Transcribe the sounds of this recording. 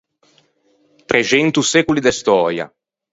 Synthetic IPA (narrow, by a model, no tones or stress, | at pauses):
t̪ɾʔet͡ʃɛnt̪usɛkulid̪est̪ɔːɾja̰